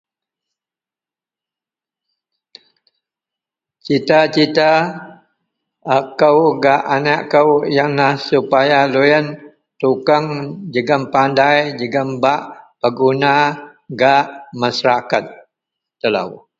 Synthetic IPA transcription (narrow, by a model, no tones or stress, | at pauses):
t͡ʃit̪at͡ʃit̪a | kəwɡaʔanaʔkəwjaŋlahsupajalujən | t̪ukaŋd͡ʒəɡəmpandajd͡ʒəɡəmbaʔpəɡunaɡaʔmasaɾakat̪̚ | t̪əla̰w